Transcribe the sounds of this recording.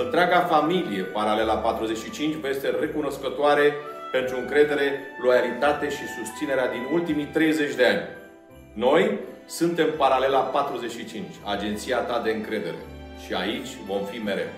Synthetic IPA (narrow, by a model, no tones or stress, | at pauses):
ɨnt̪ɾeaɡafamilije̞paɾale̞lapat̪ɾuze̞t͡ʃʃit͡ʃint͡ʃʲvəje̞st̪e̞re̞kuno̞skət̪oaɾe̞pe̞nt̪ɾuɨŋkɾe̞d̪e̞ɾe̞lo̞jalit̪at̪e̞ʃisust̪sine̞ɾead̪inult̪imit̪ɾe̞jze̞t͡ʃʲd̪e̞anʲ | no̞j | sɨnt̪e̞mpaɾale̞lapat̪ɾuze̞t͡ʃʃit͡ʃint͡ʃʲad͡ʒe̞nt̪sijat̪ad̪e̞ɨŋkɾe̞d̪e̞ɾe̞̰ʃia̰it͡ʃʲvo̞mfime̞ɾe̞̰w